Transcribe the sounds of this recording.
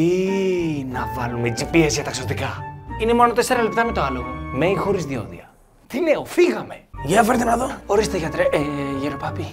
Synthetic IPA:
i | nɐvɐlumed͡zipiezʝɐt̪ɐksot̪ikɐine̞mo̞not̪e̞se̞ɾɐlep̚t̪ɐme̞t̪oɐlo̞ɣo̞̰meixo̞ɾizðio̞̰ðḭɐ | t̪ine̞ofiɣɐme̞ʝɐfeɾt̪enɐðooɾist̪eʝɐt̪ɾeʝeɾopɐpi

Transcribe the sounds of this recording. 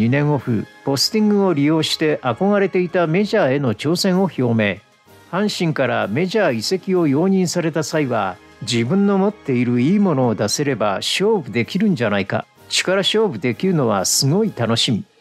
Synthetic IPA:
inẽ̞ɰ̃o̞ɸɯ̟̰po̞sɨ̥t̪ĩŋɡɯ̟o̞ɾʲijo̞ːɕi̥t̪e̞ʔako̞ɡaɾe̞t̪e̞it̪ame̞ʑaːe̞no̞t͡ɕo̞ːsẽ̞ɰ̃o̞ço̞ːme̞ː | hãɰ̃ɕĩŋkaɾame̞ʑaːise̞kʲio̞jo̞ːɲ̟ĩɰ̃saɾe̞t̪asaiβa | d͡ʑibɯ̟̃nːo̞mo̞t̪ːe̞iɾɯ̟iːmo̞no̞ːd̪ase̞ɾe̞baɕo̞ːbɯ̟d̪e̞kʲiɾɯ̟̃ɲ̟d͡ʑanaika̰ | t͡ɕi̥kaɾaɕo̞ːbɯ̟d̪e̞kʲiɾɯno̞β̞a̰sɨŋo̞it̪ano̞ɕimʲi

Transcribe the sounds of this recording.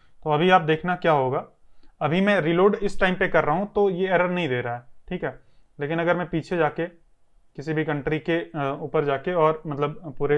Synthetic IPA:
t̪oɐbʱiaːp̚d̪eːkʰnakjaːɦoːɡaːɐbʱimɛ̃ɾiːloːɖɪsʈaːɪmpekɐɾːaɦũt̪ojeɛːɾəɾnɐɦĩd̪eːɾaːɛːʈʰiːkɦɛː | leːkɪnɐɡəɾmɛ̃piːt͡ʃʰed͡ʒaːke | kɪsibʱikɐ̃ɳʈɾikeuːpəɾd͡ʒaːkeɔːɾmɐt̪ləb̚puːɾe

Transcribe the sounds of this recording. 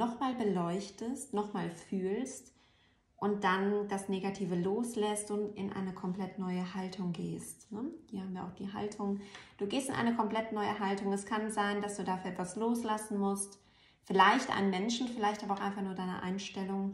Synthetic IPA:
nɔχmaːlbəlɔʏçtəstnɔχmaːlfyːlst | ʔʊnt̚d̥and̥asneːɡatʰiːvəloːslɛstʊntɪnʔa̰ɪnəkʰɔmpl̥ɛtnɔʏəhaltʰʊŋɡeːstnəhiːɐhaːm̩viɐaʊxd̥ḭːɦa̰ltʰʊŋd̥uːɡeːstɪnʔa̰ɪnəkʰɔmpl̥ɛtnɔʏəɦaltʊŋɛskʰanzaɪndasd̥uːdaːfyːɐʔɛtvasloːslasn̩mʊst | fɪlaɪçtʔa̰ɪnənmɛnʃn̩fɪlaɪçtʔabaʊxʔaɪnfaχnuːɐdaɪnə̰ʔa̰ɪnʃtɛlʊŋ

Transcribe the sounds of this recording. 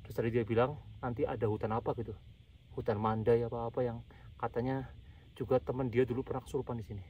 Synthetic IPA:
təsaɾidiabilaŋnant̪iʔadaɦut̪anapaɡit̪u | hut̪anmandajapaːpajaŋ | kat̪aɲa | d͡ʒuɡat̪əməndiadulupərnakə̥suɾpandisini

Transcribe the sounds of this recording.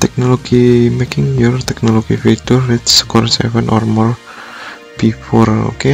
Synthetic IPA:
t̪ɛk̚noloɡ̥imekɪŋjurt̪ɛk̚noloɡ̥ifid̪̥ʊrːɪt̪skɔrsɛ̰fɛnɔ̰rmɔr | b̥ifɔro̰ke

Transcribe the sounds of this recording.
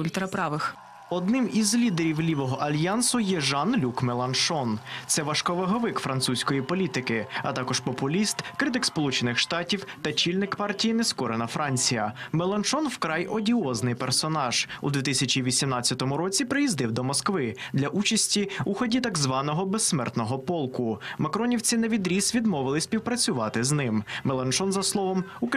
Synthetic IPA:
ʊlʲt̪ɾɐpɾɑʋɪx | ɔd̪nɪmizlʲid̪eɾʲiwlʲiʋɔɦɔʔɐlʲjansʊjɛʒɑnlʲukmelˠɐnʃɔnt̪sɛʋɐʃkɔʋɐɦɔʋɪkfɾɐnt̪susʲkɔjipɔlʲit̪ɪkɪɐ̰t̪ɑkɔʃpɔpʊlʲist̪kɾɨt̪ɪkspɔlˠut͡ʃenɪxʃt̪ɑtʲiwt̪ɐt͡ʃilʲnɪkpɑrtʲijinɛskɔɾenɐfɾʔɑnʲt͡sʲijɐ̰mɛlˠɐnt͡ʃɔnwkɾɑjɔdʲiɔznɪjpɛrsɔnɑʒ̥ṵd̪ʋʲit̪ɪsʲɐt͡ʃiʋʲisʲimnɑt͡sʲːɐt̪ɔmʊɾɔt͡sʲipɾɪjizd̪ɪwd̪ɔmɔskʋɪd̪lʲɐʔut͡ʃɐsʲtʲiuxɔdʲit̪ɐɡzʋɑnɔɦɔbesːmɛrt̪nɔɦɔpɔlˠkʊmɐkɾɔnʲiwt͡sʲineʋʲid̪ɾʲisʋʲid̪mɔʋɪlˠɪsʲpʲiwpɾɐt͡sʲʊʋɑt̪ɪznɪmmɛlˠɐnt͡ʃɔnzɐslˠɔʋɔmuk

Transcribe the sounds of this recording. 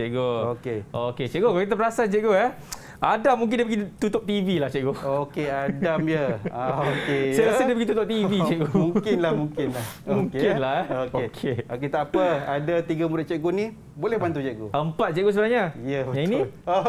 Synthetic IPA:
t͡ʃɛʔɡookeoket͡ʃɛʔɡokalkit̪̬apəɾasant͡ʃɛʔɡoɛ | ʔadamũŋk̬ɪndiəbəɡit̪ut̪ʊp̚t̪ivilaht͡ʃɛʔɡookeadamjəaokesajɾasədibəɡit̪ut̪ʊp̚t̪ivit͡ʃɛʔɡomuŋkɪnlahmuŋkɪnlahmũŋkkɪnlaokoekʰeoket̪apəadat̪iɡamudaʔt͡ʃɛʔɡonĩ | bolɛhbant̪ut͡ʃɛʔɡoəmpat̪̚t͡ʃɛʔɡos̬əbənahɲajəjãinĩo

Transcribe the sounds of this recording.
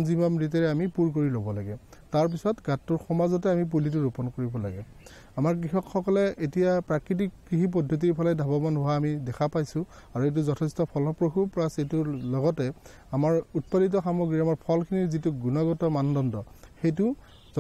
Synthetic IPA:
nzibamɹit̬ɛɹɛamipuɹk̬oɹilobɔlaɡɛ | taɹp̬isɔtɡatːʊɹxɔmazɔtɛamip̬ulit̬uɹupɔnkoɹibɔla̰ɡɛ | amaɹk̬ɹixɔkxɔkɔlɛʔetijapɹakɹit̬ikː | iɦip̬ɔdʱːot̬iɹpʰɔlajdʱabɔmanɦʊwaːmidɛkʰapajsʊ̃ | aɹuet̬uzɔtʰɛstɔpʰɔlɔpɹoxupɹasejtulɔɡɔtɛ | amaɹut̚padit̬ɔxamoɡɹiamaɹpʰɔlkʰinizituɡunɔɡɔtɔmandɔndɔxejtʊ

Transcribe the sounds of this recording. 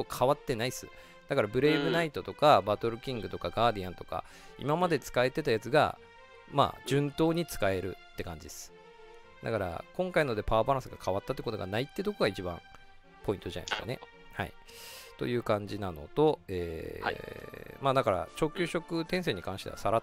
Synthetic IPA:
t̪okʰaβat̪ːe̞naisɨ̰ | d̪̥akaɾabɯ̟ɾe̞ːbɯ̟nait̪o̞t̪o̞kabat̪o̞ɾɯ̟kʲĩŋɡɯ̟t̪o̞kaɡaːd̪ʲijãnt̪o̞ka̰ | ḭmamad̪e̞t͡sɨ̥kae̞t̪e̞t̪ajat͡sɨɡa̰ | ma̰ːd͡ʑɨ̃nt̪o̞ːɲ̟it͡sɨ̥kae̞ɾɯ̟t̪ːe̞kãɲ̟d͡ʑid̪esɨ̥ | d̪a̰kaɾa̰kõ̞ŋkaino̞d̪e̞paːbaɾãsɨɡakʰaβat̪ːat̪ːeko̞t̪o̞ɡa̰nait̪ːet̪o̞koɡait͡ɕibã̰ɴ | po̞ĩnt̪oʑa̰na̰ssɨkane̞̰ | ha̰ḭ | t̪o̞̰jɯ̟ːkãɲ̟d͡ʑinano̞̰t̪o̞ḛː | maːd̪akaɾa̰t͡ɕo̞ːkʲɨːɕo̞kɯ̟t̪ẽɰ̃s̬e̞ɲ̟ikãɰ̃ɕi̥t̪ea̰saɾa

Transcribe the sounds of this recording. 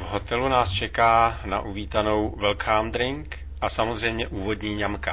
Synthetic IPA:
vɦo̞t̪ɛlunaːst͡ʃɛkaːna̰ʔuviːt̪ano̞wvɛlkʰaːmd̪ɾɪŋk | ʔasamozr̝ɛjmɲɛʔuːvo̞dɲiːɲamka

